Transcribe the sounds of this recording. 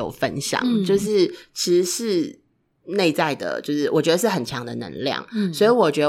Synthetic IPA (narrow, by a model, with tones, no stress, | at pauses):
o˨˩ʊfə̰˦˥nɕjɑ̰˨˩˦ŋt͡ɕjo˥˧ʊʂ̬ɻ̩˥˩t͡ɕʰi˧˥ʂɻ̩˧˥ʂɻ̩˥˧ | ne˥˧ɪt͡sa˥˩ɪd̪ə̰˩t͡ɕjo˥˧ʊʂɻ̩˥˩wɔ˨˩t͡ɕɥɛ˧˥d̪ə˧ʂɻ̩˥˩xə˨˩nt͡ɕʰjɑ˧˦ŋd̪ə˨nə̰˧˥ŋljɑ̰˥˨˩ŋswɔ˧˥i˧˥wɔ˨˩t͡ɕɥɛ˧˥də